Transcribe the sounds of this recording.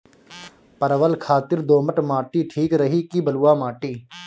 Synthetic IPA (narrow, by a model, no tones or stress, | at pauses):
pəɾəʋəlkʰaːt̪ɪɾd̪oːməʈmaːʈiːʈʰiːkɾɐɦiːkibəluwaːmaːʈiː